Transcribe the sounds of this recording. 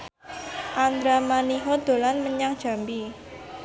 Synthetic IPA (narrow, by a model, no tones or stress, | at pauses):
ʔand̪ɾamaniɦɔd̪̥o̤lanməɲaŋd̥ʒ̥a̤mbi